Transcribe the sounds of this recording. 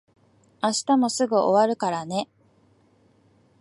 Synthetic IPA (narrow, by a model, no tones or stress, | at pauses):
aɕi̥t̪amo̞sɨɡɯ̟ʔoβaɾɯ̟kaɾane̞